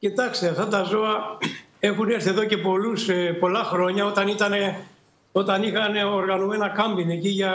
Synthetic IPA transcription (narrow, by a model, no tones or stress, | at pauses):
cit̪ɐkst̪eɐft̪ɐt̪ɐzo̞ɐ | e̞xuneɾθieðo̞ce̞po̞luspo̞lɐxɾo̞ɲɐo̞t̪ɐnit̪ɐne̞ | o̞t̪ɐnixɐneoɾɣɐnome̞nɐkɐmbine̞ciʝɐ